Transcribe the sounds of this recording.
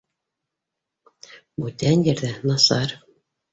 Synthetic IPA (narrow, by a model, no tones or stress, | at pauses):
but̪ʲænʲjɘɾd̪ænɑsɑr